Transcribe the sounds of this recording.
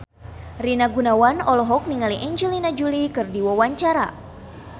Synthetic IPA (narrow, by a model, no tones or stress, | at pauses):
rinaɡunawanɔlɔɦɔk̚niŋaliʔɛɲd͡ʒɛlinad͡ʒulikɨrdiwawaɲt͡ʃaɾa̰